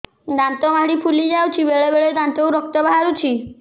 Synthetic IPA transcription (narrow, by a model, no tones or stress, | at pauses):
d̪ant̪ɔmaɦɽipʰulid͡ʒawt͡ʃʰibeɭebeɭed̪ant̪owɾɔk̚t̪ɔbaɦaɾut͡ʃʰi